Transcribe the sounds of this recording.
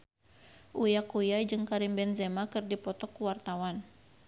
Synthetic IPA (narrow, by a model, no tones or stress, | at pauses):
ʔujakujajd͡ʒɨŋkaɾimbɛnzɛmakɨrdipɔt̪ɔkːuwart̪awan